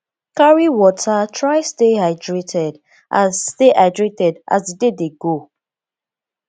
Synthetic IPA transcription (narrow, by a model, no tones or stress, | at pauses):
kaɹiwɔtʰatʰɹaɪstehaɪdɹetʰɛd | ʔãnsteʔaɪdɹetɛdʔa̰sdədedeɡo